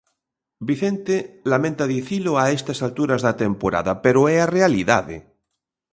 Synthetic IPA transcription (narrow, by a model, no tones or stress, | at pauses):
biθent̪elamẽnt̪aðiθiloaest̪asalt̪uɾazðat̪empoɾa̰ðapeɾoɛarealiða̰ðḛ